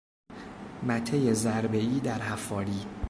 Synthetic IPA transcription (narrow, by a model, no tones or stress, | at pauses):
mæt̪ʰejezæɾbe̞iːd̪æɾɦæfːɒːɾiː